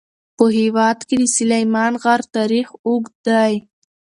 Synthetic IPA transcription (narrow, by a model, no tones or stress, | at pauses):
pəɦɪwɑd̪ked̪əsʊlajmɑnɣaɾt̪ɑɾixuɡd̪aj